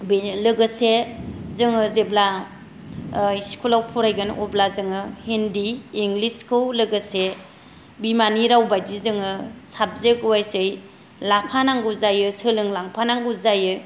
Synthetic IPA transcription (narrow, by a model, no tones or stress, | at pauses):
blɯɡɯsezɯŋɯzebla | iskʰulawpʰuɾajɡɯnʔoblazɯŋɯhendiːŋɡliskʰɯwlɯɡɯse | bimaniɾawbajdizɯŋɯsab̚zekuwajsɯj | lapʰanaŋɡuzajɯsɯlɯŋlaŋpʰanaŋɡuzajɯ